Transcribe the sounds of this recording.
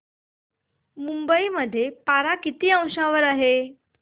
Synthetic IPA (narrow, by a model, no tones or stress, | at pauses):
mumbəiməd̪ʱːjepaɾakit̪iːə̃w̃ʂãʋəɾaɦe